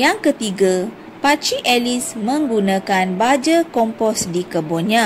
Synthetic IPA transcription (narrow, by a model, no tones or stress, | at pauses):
jaŋkət̪iɡa | pat͡ʃiʔɛlismə̃ŋɡunãkanbad͡ʒəkɔmpɔsdikəboɲã